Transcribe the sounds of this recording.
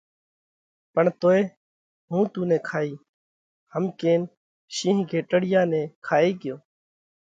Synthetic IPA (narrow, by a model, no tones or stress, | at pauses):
pəɳt̪oːeː | ɦũːt̪ũːnẽːkʰaːiː | həmkeːn | ʃĩːɦkeːʈəɽɪjãːnẽːkʰaːeːkɪjoː